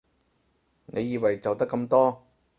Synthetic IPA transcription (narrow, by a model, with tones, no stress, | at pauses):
nʔe˨˧jːiː˧wɐ˨jt͡sɐ˨wt̪ɐ˥kːɐ˧mt̪ɔː˥